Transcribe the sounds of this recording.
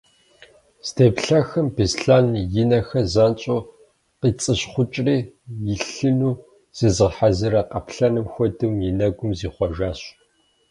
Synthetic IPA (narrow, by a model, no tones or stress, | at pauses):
stʰeːpɬɐxɨmbisɬaːnjɪnɐxɐzaːnt͡ʃʼoː | qiːt͡sʼɨɕχʷʊt͡ʃʼriːjɪɬɨnuː | z̥ɨzɨʁħazɨɾɐqɐ̰pɬɐnɨmxʷɔdɨmjɪnɐɡʷʊmziːχʷɔʒaːɕ